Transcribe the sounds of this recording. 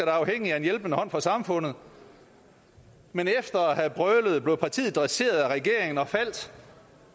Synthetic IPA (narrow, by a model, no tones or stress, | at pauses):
æɾ̥ɑɑ̈ʊɦeŋ̰iæe̝njelb̥ənəhɒ̽n̰fɒ̽sɑ̈mfɔ̽n̰ð̩ˠ | menefd̥ɐæhæb̥ʁœləð̞̩ˠble̝ʊpʰɑ̈t͡sʰḭːð̩ˠd̥ʁɛse̝̰ːɐð̞ˠæʁɛɡ̥e̝ɐ̰eŋn̩ɒ̽fæl̰d̥